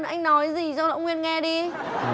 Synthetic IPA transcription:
nʔa˧jŋ̟nɔ˨˦jzi˨˩zɔ˧l̰wŋ͡mŋwi˧ənŋɛ˧ɗi˧

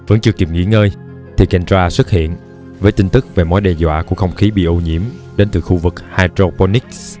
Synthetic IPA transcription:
və˨˦˥nt͡ɕɨ˨˩ki˨˩ŋḭ˧˥ŋəː˧j | t̪ʰi˨˩ka˨˩ŋ̟t͡ɕwaː˧swɨ˦˥t̚hḭ˧˨ən | vəː˨˦jt̪i˧ŋ̟t̪ɨ˦˥k̚ve˨˩mo̰˨˦jɗɛ˧˩zwa̰ː˧˨ku˧˩əkxə˧wŋ͡mxi˨˦ɓḭ˧˨ʔu˧ɲḭ˧˩əmɗe˨˦nt̪ɨ˨˩xu˧vɨ˨˩k̚haː˧jt̪ɾo˧po˧ni˦˥k̚s

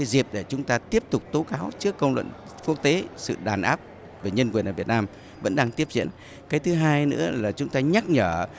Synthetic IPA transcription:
aː˨˦jzi˨˩əp̚ɗe˧˩t͡ɕʊ˨˦ŋ͡mt̪aː˧t̪i˦˥əp̚t̪ʊ˨˩k͡p̚t̪o˨˦kaː˨˦wt͡ɕɨ˦˥əkːə˧wŋ͡mlwə̰˧˨n | kɨ˦˥ək̚t̪e˨˦sɨ̰˧˨ɗaː˨˩nʔaː˦˥p̚ | veː˨˩ɲə˧nkwi˨˩ənʔəː˧˩vət̚naː˧m | və̰˧˥nɗaː˧ŋt̪i˦˥əp̚zḭ˧˥ən | kaː˨˦jt̪ʰɨ˨˦ɦaː˧jnɨ̰˧˥əlaː˨˩t͡ɕʊ˨˦ŋ͡mt̪aː˧ɲa˦˥k̚ɲəː˧˩

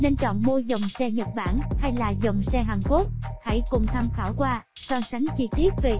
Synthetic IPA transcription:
ne˧nt͡ɕɔ̰˧˨nmo˧zə˨˩wŋ͡msɛ˧ɲə˨˩t̚ɓaː˧˩nha˧jlaː˨˩zə˨˩wŋ͡msɛ˧ɦaː˨˩ŋko˦˥t̚ha̰˧˥jkʊ˨˩ŋ͡mt̪ʰa˧mxaː˧˩wkwaː˧saː˧sa˨˦ŋt͡ɕi˧t̪i˦˥ət̚ve˨˩

